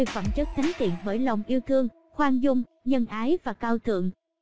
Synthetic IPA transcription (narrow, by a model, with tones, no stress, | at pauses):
fə̰˧˩mt͡ɕɨ˦˥k̚t̪ʰa˨˦jŋ̟t̪ḭ˧˨ənɓəː˧˩jlə˨˩wŋ͡mʔi˧əwt̪ʰɨ˧əŋ | xwaː˧nzʊ˧ŋ͡m | ɲə˧nʔaː˨˦jvaː˨˩kaː˧wt̪ʰɨ̰˧˨əŋ